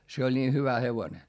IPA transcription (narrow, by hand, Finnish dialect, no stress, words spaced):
se olʲ niː hyʋæ heʋone